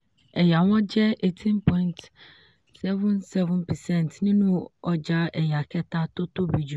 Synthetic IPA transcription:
ɛ˨ja˨wɔ̃˦d͡ʑɛ˦e˨tʰĩ˦npʰɔ̃˦ĩ˦nt | sɛ˦vʊ̃˦nsɛ˦vʊ̃˦npʰɛ˨sɛ̃˦˨n˨tnɪ̃˦nʊ̃˦ɔ˨d͡ʒa˦ɛ˨ja˨kʰɛ˦ta˦tʊ˦to˦bi˨d͡ʒu˨

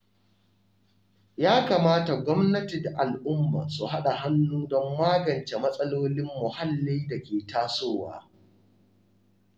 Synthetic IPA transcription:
jaː˦kaː˨maː˦ta˨ɡʷɔ˦mnɐ˦tɪ˨dʔa˨lʔʊ˦mːa̰ː˨su˨ha˦ɗa˨ɦa˦nːuː˦dɔ˦mːaː˦ɡɐ˨nt͡ʃe˨mɐ˦sʼɐ˦loː˦lɪ˦mːʊ˨ha˦lːi˦jda˨kʲeː˨taː˦soː˦˨wa̰ː˦

